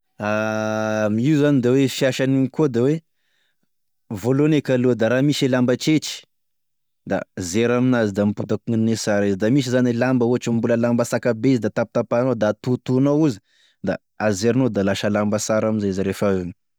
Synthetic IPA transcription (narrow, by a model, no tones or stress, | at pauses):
a | miiuzanid̪awefiaʃaniŋikod̪awe | volonekalud̪aɾamiselambət͡ʃet͡ʃi̥ | d̪a̰zeɾaminazid̪amiput̪akuŋinesaɾezid̪amis̬izanelambəuaʈ͡ʂambuləlambasakabezid̪at̪ap̚t̪apanod̪at̪ut̪unawuzi̥ | d̪a | azzeɾnod̪alaʃəlambasaɾaminzazaɾefaeni̥